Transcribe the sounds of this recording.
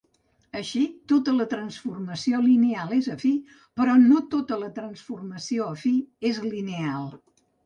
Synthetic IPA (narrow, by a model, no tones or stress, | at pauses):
əʃit̪ot̪ələt̪ɾənsfurməsiolinealˠezəfi | pəɾɔnot̪ot̪ələt̪ɾənsfurməsioəfiezlinealˠ